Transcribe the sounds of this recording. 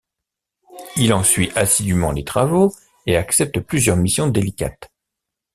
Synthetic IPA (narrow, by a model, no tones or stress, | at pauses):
ilɑ̃sɥiʔasid̪ymɑ̰̃let̪χavo | eaksɛp̚t̪əplyzjœʁmisjɔ̃d̪elikʲa̰t̪